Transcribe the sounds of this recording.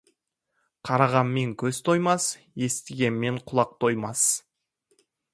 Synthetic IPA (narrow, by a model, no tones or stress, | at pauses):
qʰɑɾɑʁɑnme̞ŋkʲʰɵzt̪ʰo̞jmɑs | je̞st̪ɪɡʲe̞nme̞ɴqʰʊlˠɑq̚t̪ʰo̞jmɑs